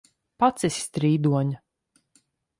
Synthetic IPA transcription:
pat̪sisʲst̪ɾiːd̪uɔɲa

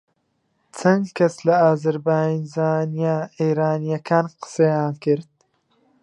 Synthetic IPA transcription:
t͡sʰɐ̃nɡkɐslɐaːzɐɾbaːjinzaːnijaeːɾaːnijɐkʰaːnqɨ̥sejaːnkɨɾd̪̥̚

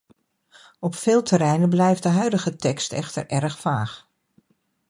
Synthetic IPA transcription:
ɔpfɪːlˠtʰəɾɛjnəblɛjftdəɦœɥdəχətɛkstɛ̰χtə̰ɹʔɛɹəχfaːχ

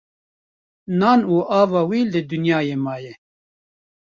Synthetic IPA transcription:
nɑːnuːʔɑːvɑːwiːlɨd̪unjɑːjeːmɑːjɛ

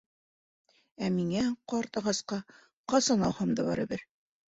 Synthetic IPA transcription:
æmiŋæqɒɾt̪ɑ̆ʁɑsqɑ | qɑsɑnɑw̪ˠhɑmd̪ɤbɑ̰ɾɘ̰bɘɾ

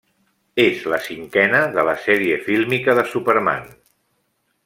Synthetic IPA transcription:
ezləsiŋkɛnəðələsɛɾiəfilˠmikəðəsupəɾma̰n

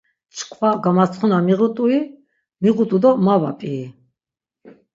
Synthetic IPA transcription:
t͡ʃʰkʰvaɡamat͡sʰχunamiʁut̪ʼui | miʁut̪ʼud̪ɔmava̰pʼiː

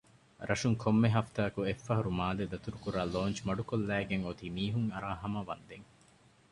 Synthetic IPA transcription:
ɾʔɐʃuŋkʰomːeɦɐft̪aːkuefːɐɦɐɾumaːled̪ɐt̪uɾukuɾaːloːnt͡ʃmɐɖukolːæːɡeŋot̪imiːɦuŋɐɾaːɦɐmɐʋɐnd̪eŋ

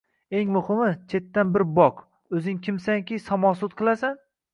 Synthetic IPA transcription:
e̞ŋmʊhɨmɪt͡ʃʰe̞t̪ːanbɪɾbɒq | ɵzɪŋkʲʰɪmsaŋkʲisɒmɒsʊt̪̚qʰɨlˠasan

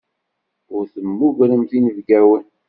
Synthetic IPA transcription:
ʊɾθəmːuʝɾəmθinəvɡæwən

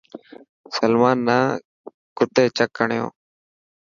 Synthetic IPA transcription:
səlmaːnːaː | kʊt̪eːt͡ʃəkːəɳjõ̰ː

